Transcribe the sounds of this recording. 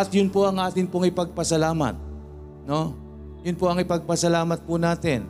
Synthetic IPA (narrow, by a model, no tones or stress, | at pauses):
ɐt̪jʊnpoʔɐŋʔaːt̪ɪnpoŋɪpɐɡ̚pɐsɐlaːmɐ̰t̪̚ | no̞ | jʊnpoɐŋɪpɐɡ̚pɐsɐlaːmɐt̪̚pʊnaːt̪ɛn